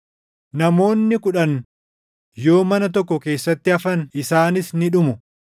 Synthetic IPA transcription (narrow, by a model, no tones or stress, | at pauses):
nɐmo̞ːnːɪkʊᶑɐn | jo̞ːmɐnɐt̪̬ɔkːɔke̞ːsːɐt̪ːɪɐfɐnɪsaːnɪsnɪᶑʊmʊ